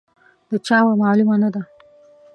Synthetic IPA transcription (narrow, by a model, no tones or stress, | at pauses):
d̪ət͡ʃɑwamɑlumanad̪a